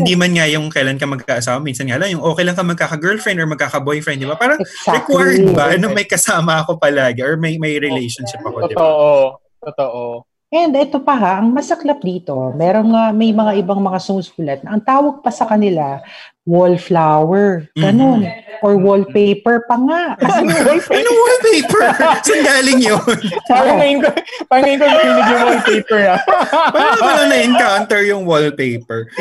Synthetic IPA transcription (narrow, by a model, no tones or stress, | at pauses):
hɪnd̪imɐnŋajʊŋkɐjlankɐmɐɡ̚kkaʔɐsaːwɐmiːnsɐnŋaʔɐlaŋjʊŋʔoːkɛjlɐŋkɐmɐɡ̚kaːkɐɡɛɹlfɹɛnd̪ɔɹmɐɡ̚kaːkɐbojfɾɛnd̪̚ɪbapaːɾɐŋɛsaɾɛkɔɹd̪bɐnomɐjkɐsaːmɐɐko̞pɐlaːɡɪʔɔɹmɐjmɐjɾɪlejʃonʃɪp̚ɐkoɪb̪ʔo | t̪ot̪oʔo | ʔɛnd̪ʔɛt̪opɐɦaʔɐŋmɐsɐklap̚d̪iːt̪o̞mɛːɾonŋamɐjmɐŋaʔɪbaŋmɐŋasomsfuːlɐt̪̚nɐʔɐŋt̪aːwɐɡ̚pɐsɐkɐnɪla | wolflawɛɹɡ̥ɐno̞nʔoɹwolpejpɛɹpɐŋaʔɐsɪnɐolɪnɐŋwolpejpɛɹsɐŋɡaːlɪŋjonpaɾɐŋɐjɪnkopaːɾɐŋŋɐjɪnkoɐunɪdjʊwolpejpɛɹnɐwɐamɐnɐnɐɪŋkawnt̪ɛɹjʊŋwolpejpɛɹ